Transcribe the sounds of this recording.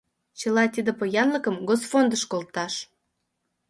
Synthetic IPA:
t͡ɕə̆lɑt̪id̪əpojɑnləkəmɡosfond̪əʃkolt̪ɑʃ

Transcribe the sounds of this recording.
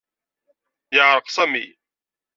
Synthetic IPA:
jaːɾqsɐmḭː

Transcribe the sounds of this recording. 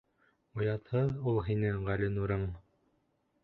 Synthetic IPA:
ŏjɑt̪hɤðulˠɦinɘʁælɘ̆nuɾɤɴ

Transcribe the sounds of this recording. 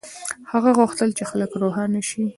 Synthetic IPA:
haɣaɣʊxt̪əlt͡ʃexaləkɾoɦanaʃi

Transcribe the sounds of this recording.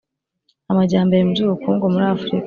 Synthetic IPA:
amaɟaːmbajemubzuːβukuːŋɡomuɾaːfuɾik

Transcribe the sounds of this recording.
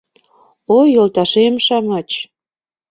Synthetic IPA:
ojolt̪ɑʃemʃɑmɑt͡ɕ

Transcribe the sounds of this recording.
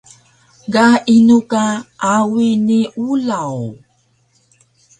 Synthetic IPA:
ɡainukaʔawiniʔulaw

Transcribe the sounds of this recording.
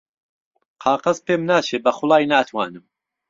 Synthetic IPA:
qʰɑːqɐzpeːmnaːt͡ʃʰeːbɐχʊlˠɑːjnaːt̪ʰwaːnɨm

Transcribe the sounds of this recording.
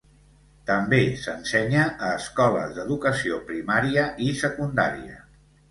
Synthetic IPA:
t̪əmbesənsɛɲəəːskɔlə̰zðəðukəsiopɾimaɾiəisəkund̪a̰ɾiə̰

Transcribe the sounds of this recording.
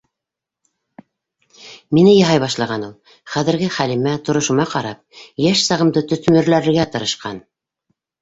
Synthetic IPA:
minɘjɑ̆ɦɑjβɑʃlˠɑʁɑnulˠ | χæðɘ̆ɾɡɘχælimæt̪ŏɾŏʃŭmɑqɑɾɑp̚jæʃsɑʁɤ̆md̪ɤt̪ɵ̆θmɘ̆ɾlæɾɘ̆ɾɡæt̪ɤ̆ɾɤ̆ʃqɑn

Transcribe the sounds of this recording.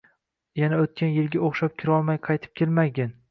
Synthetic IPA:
janaot̪̚kʲʰanjɪlɡʲaoχʃap̚kʲʰɪɾɒlˠmajqʰɑjt̪ʰɪ̥p̚kʲʰelmaɡʲan

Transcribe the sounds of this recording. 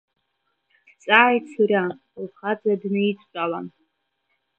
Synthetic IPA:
st͡sʼaːjt͡sʰurʲa | lχad͡zadnɨit͡sʷʼt͡ʃʷʼala̰n

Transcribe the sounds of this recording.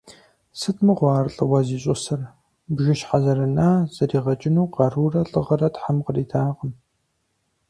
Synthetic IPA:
sɨtʰmɨʁʷɑːrɬʼɨwɐziːɕʼɔsɐr | bʒɪʃħazɐrɐnaːz̥ɐriːʁɐt͡ʃʼɪnuːqɑruːrɐɬʼɨʁɐrɐtħamqəriːtʰaːʁəm

